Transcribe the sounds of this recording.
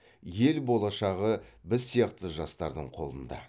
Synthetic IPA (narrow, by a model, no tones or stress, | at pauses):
je̞lbo̞lˠɑʃɑʁəbɪzsːijɑqt̪əʒɑst̪ɑɾd̪əɴqʰo̞̰lˠənd̪ɑ̰